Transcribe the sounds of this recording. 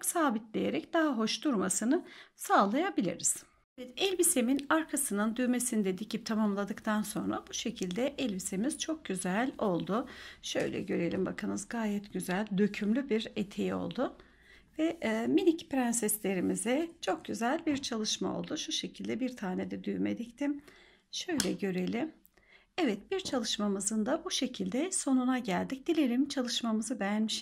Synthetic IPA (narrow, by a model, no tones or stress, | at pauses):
ksaːbit̪lʲejeɾɛcd̪aɦaɦo̞ʃd̪uɾmasɯnɯsaːlˠajabilʲḭɾiz̥ | evɛt̪ɛlʲbiseminaɾkʰasɯnɯnd̪yjme̞sinid̪ed̪icip̚t̪ʰamamlˠad̪ɯkt̪ʰanso̞̰nɾa̰buʃe̞cʰilʲd̪ɛʔɛlʲbisemiz̥t͡ʃʰo̞k̚ɟyzælʲo̞lˠd̪ʊʃø̞̰jlʲɛ̰ɟø̞ɾe̞lʲimba̰kʰɯnɯzɡaːjɛt̪ɟyzælʲd̪øcʰymlʲybiɾet̪ʰe̞jio̞̰lˠd̪ʊ | vɛminicpɾɛnsɛslʲe̞ɾimizɪt͡ʃʰo̞k̚ɟyzælʲbiɾt͡ʃʰalˠɯʃmao̰lˠd̪uʃuʃe̞cʰilʲd̪ɛbiɾt̪ʰaːned̪ɛd̪yjymḛd̪ict̪ʰim | ʃø̞jlʲɛɟø̞ɾe̞lʲim | ɛvɛt̪biɾt͡ʃʰalˠɯʃmamɯzɯnd̪abuʃe̞cʰilʲd̪ɛso̞nunaɟælʲd̪ic̚d̪ilʲe̞ɾʲimt͡ʃʰalˠɯʃmamɯzɯbɛjænmiʃ